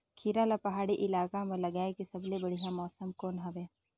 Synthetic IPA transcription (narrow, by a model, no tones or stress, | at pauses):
kʰiːɾalapɐɦaːɽiʔɪlaːkamẽlɐɡaːekisɐblebɐɽ̤ijãmɔːsəmkoːnɦɐʋeː